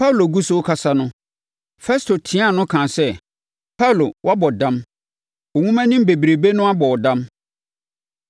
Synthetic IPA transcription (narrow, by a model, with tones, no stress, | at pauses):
pʰa˦wlo˨ɡu˦so˦kʰa˦sa˦nʊ̃˦ | fɛ˦stʰo˨tʰɪ̃˦a˦˨nʊ̃˦kʰãː˨sɛ˦ | pʰa˦wlo˨wa˦bɔ˨dã˦m | ʊ˨ŋũ˦mɛ̃˦nɪ̃˦m˦be˨bi˨ɾe˨be˦nʊ̃˦a˦bɔ˨wɔ˨dã˦m